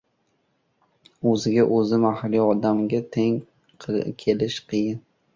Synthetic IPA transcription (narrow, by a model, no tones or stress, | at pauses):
ɵzɪɡʲaʔɵzɪmahliɒd̪amɡʲat̪ʰeŋ | qʰɨkʲʰelɪʃqʰɨjɪn